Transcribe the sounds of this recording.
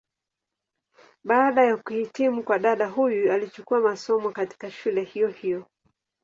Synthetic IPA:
ɓaːɗajakuhitimukwaɗaɗaɦujualit͡ʃukuamasɔmɔkati̥kaʃulɛhijɔhijɔ

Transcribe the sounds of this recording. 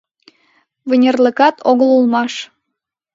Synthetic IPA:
vənʲerlə̆kɑt̪ʰoɣəlulˠmɑʃ

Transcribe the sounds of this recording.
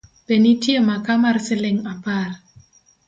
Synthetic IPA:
penitjemakamarsɪlɪŋapar

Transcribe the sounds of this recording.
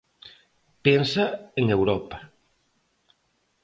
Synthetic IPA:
pensaeŋewɾɔpa

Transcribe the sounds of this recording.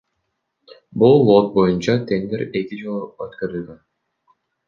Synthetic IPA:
bulˠːot̪̚bojunt͡ʃɑt̪ʰeŋd̪eɾekid͡ʒulˠuɑt̪kɑɾɯlɡɑ

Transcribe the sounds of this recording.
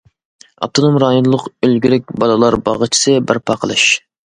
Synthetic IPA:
ɑ̰p̚t̪ʰonomɾɑːjonlˠʊqølɡʲyɾɛk̚ʲbɑlˠɨlˠɑɾbɑ̰ʁət͡ʃʰi̥sɨbɪɾpʰɑqʰəlˠɨʃ

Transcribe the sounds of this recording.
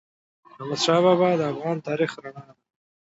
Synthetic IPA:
amad̪ʃɑβɑbɑd̪əafɣɑnt̪ɑɾixɾaɳɑd̪a

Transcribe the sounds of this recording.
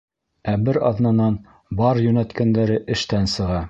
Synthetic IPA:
æbɘɾɑ̰ðnɑnɑn | bɑɾjʉnæt̪kænd̪æɾɘʔɘ̆ʃt̪ænsɤ̆ʁɑ

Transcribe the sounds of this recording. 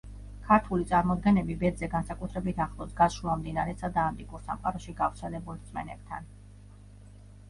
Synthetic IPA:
kʰaɾt̪ʰulit̪sʼaɾmɔd̪ɡɛnɛbibɛd̪zɛɡansakʼut̪ʰɾɛbit̪ʰaχlˠɔsɡasʃɾuamd̪inaɾɛsad̪aːmt̪ʼikʼuɾsa̰mqʼaɾɔʃiɡavɾt̪sʰɛlɛbulˠt̪sʼmɛ̰nɛb̚t̪ʰa̰n

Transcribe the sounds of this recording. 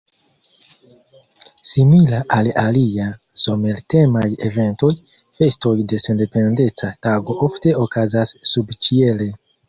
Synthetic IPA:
similaʔalalia | so̞me̞lte̞maje̞ve̞nto̞j | fe̞sto̞jde̞se̞nde̞pe̞nde̞t͡sataɡo̞ʔofte̞okazasːubt͡ʃie̞le̞

